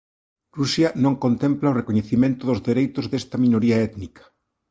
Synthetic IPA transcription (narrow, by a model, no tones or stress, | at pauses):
rusjɐnõŋkont̪ẽmplaorekoɲeθimẽnt̪ʊðʊzðeɾejt̪ʊzðest̪ɐminoɾiɐɛt̪nikɐ̥